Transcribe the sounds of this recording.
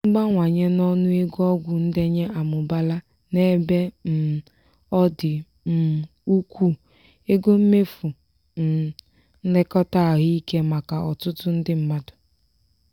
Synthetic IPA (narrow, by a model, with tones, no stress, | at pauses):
m̩˦ɡ͡ba˦ŋʷa˨ɲe˦nɔ˦nʊ˦e˦ɡɔ˦ɡʷʊ˨n̩˦de˦ɲe˦ʔa˨mʊ˨ba˦la˦ | ne˦be˦m̩˨ | ɔ˦dɪ˨ | m̩˨ | u˦kʷu˦˨ | e˦ɡo˦m̩˦me˦fu˨ | n̩˨ | n̩˦le˦kɔ˦ta˦˨ɣi˦i˦ke˦ma˨ka˨ɔ˨tʊ˦tʊ˦n̩˦dɪ˦m̩˦ma˦dʊ˨